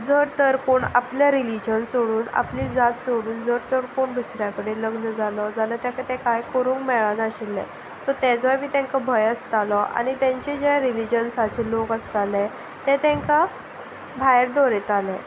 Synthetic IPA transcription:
d͡zəɾt̪əɾkoɳa̰pljaɾilid͡ʑənsoɽuːna̰plid͡zat̪soɽuːnd͡zəɾt̪əɾkoɳbusɾjakəɽeləɡnəd͡zalɔd͡zalət̪jãkət̪ɛ̃kajkəɾũːŋkmɛɭanəɕilːɛ̰̃ | sɔt̪ɛd͡zʋəjbiːt̪ɛ̃ŋkabʱəjəst̪alɔʔa̰ñit̪ɛ̃ɲt͡ɕɛd͡ʑɛɾilid͡ʑənsat͡ɕʰelokəst̪alɛ̃ | t̪ɛ̃t̪ɛ̃ŋka | bʱajɾd̪ɔɾet̪alɛ̃

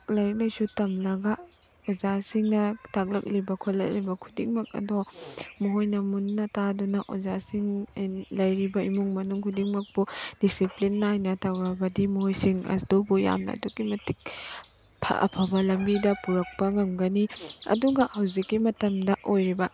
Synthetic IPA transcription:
k̚lɐɾk̚lajsutɐmlɐɡa | ozasiŋnɐtak̚lɐk̚libɐkʰolɐ̰k̚libɐkʰu̥diŋmɐk̚ɐ̰domoɦojnɐmunːɐtadɔnɐʔo̰zasiŋlɐjɾibɐimuŋmɐnuŋkʰudiŋmɐk̚pud̥isiplinːajnɐtawɾɐbɐdimɔɦojsiŋɐ̰sdowbuja̰mnɐ̰ɐ̰dukːimɐtik̚ | pʰɐ̰ʔɐ̰pʰɐbɐlɐmbidɐpuɾɐk̚pɐŋɐmɡɐniɐ̰duɡɐhɐwzikːimɐtɐmdɐʔojɾibɐ

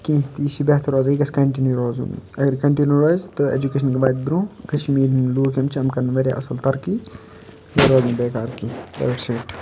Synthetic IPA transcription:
kĩt̪iːʃibet̪ʰɾoːziːkɐskɐɳʈiːnuɾoːzṵ̃nɐɡɐɾkɐɳʈinuɾoːjzt̪ɨḛd͡ʒukeʃɐnkibaːjd̪̚biɾũːkɐʃmiːɾnluːkɐmt͡ʃʰɐmkɐɾnʋɐɾja̰ːʔɐ̰sɐlt̪ɐɾki | ɐɾoːzũːbeːkaːɾkid̪ɐ̰ːʈseːʈ

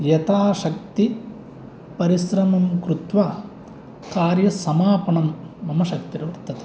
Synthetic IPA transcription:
jɐt̪aːʃɐk̚t̪i | pɐɾisɾɐmɐmkɾut̪ʋaː | kaːɾjɐsɐmaːpɐɳɐmː | ɐmɐʃɐk̚t̪iɾɐʋɐɾt̪ɐt̪e̥

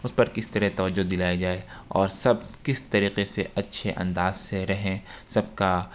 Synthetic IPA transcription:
ʊspɐɾkɪst̪ɐɾɛt̪ɐʋəd͡ʒːod̪ɪlaːjed͡ʒaːeɔːɾsɐbkɪst̪ɐɾiːqeseʔɐtːʃʰeʔɐ̰̃nd̪aːzseɾɐɦẽsɐb̚ka

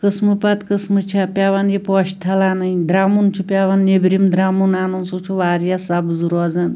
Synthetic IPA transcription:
kəsmɨpat̪kəsmɨt͡ʃʰapʲaʋanjepɔʃt̪ʰɐlanɐjd̪ɾaːmunt͡ʃʰupʲjaʋanːebɾimd̪ɾaːmunaːnonsut͡ʃʰuʋaːɾjasabzuɾɔzan

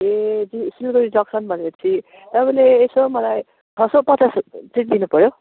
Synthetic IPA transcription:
ed͡zisilɡʌɾid͡zʌksʌnbʱʌneʌt͡sʰi | t̪ʌbʌleːsomʌlaj | dʰʱʌsopʌt͡sast͡siʈ̚d̪inupʌɾjo

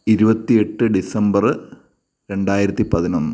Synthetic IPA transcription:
iɾubɐt̪ːie̞ʈːɨɖisɐmbɐr | ɾe̞ɳɖaːjiɾɐt̪ːipɐðinonːu

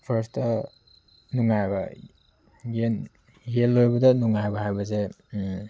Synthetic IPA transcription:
pʰɐɾstɐ | nuŋajbɐ | ɡen | ɦelːojbɐdɐnuŋajbɐɦajbɐs̬e

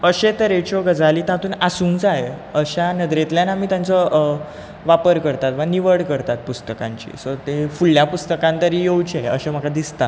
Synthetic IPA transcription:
əɕet̪əɾet͡ɕɔɡəd͡zaliːt̪ãt̪uːnasuːŋkd͡zaeəɕanəd̪ɾet̪ljanamiːt̪jant͡sɔ | ʋapəɾkəɾt̪at̪ʋaniʋəɽkəɾt̪at̪̚pust̪əkã̰ɲt͡ɕḭsɔɾt̪efuɭljapust̪əkãnt̪əɾiːjowt͡ɕiaeə̰ɕem̤əɡʰad̪ist̪a

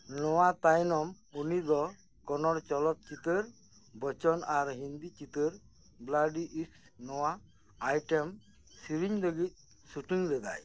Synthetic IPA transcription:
nɔwat̪ajnɔm | unid̪ɔ | kɔnɔɾt͡ʃɔlɔt̪̚t͡ʃit̪əɾ | bɔt͡ʃɔnaɾɦind̪it͡ʃit̪əɾ | blaɖiʔiks | nɔwaː | jʈem | siɾiɲd̪ɔɡit̪̚ˀ | suʈiŋɾɛd̪a̰j

